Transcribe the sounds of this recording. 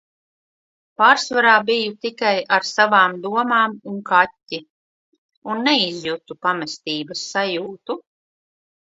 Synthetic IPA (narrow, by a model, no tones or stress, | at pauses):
paːɾsvaɾaːbijut̪ikajaɾsavaːmd̪uɔmaːmunkatʲːi | unːɛizjut̪upamɛst̪iːbɐsːajuːt̪u